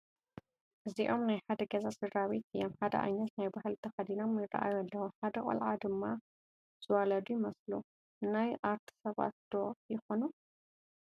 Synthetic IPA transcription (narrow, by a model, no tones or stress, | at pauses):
ʔɨziʔo̞mnajħad̪ɐɡɐzasɨd̪ɾawit̪jomħad̪ɐ̰ʔa̰nːɐt̪najbahɨlt̪ʰɐxɐd̪ino̞mjɪrɐ̰ʔa̰jualːɐwuħad̪ɐkʼɐ̰lʕad̪ɨmːa | z̥ɨwalɐd̪ujɪmɐslu | najʔaɾt̪ʰi̥sɐβa̰t̪̚d̪̥ojɪxo̞nu